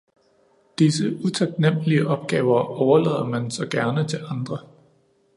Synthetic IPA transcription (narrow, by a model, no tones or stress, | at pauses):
d̥isəut͡sʰɑ̈ɡ̥̚nem̰əliəʔɒ̽b̥̚ɡ̥ɛːʊɐɒʊɐlɛ̰ːðˠɐmænsɒ̽ɡ̥æɐnət͡sʰe̝lʔɑ̈nd̥ʁɐ